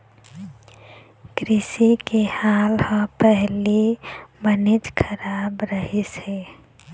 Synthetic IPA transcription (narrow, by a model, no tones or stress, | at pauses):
kɾɪsikehaːlhə̃pɛɦlibənɪt͡ʃkʰəɾaːbɾəɦiseː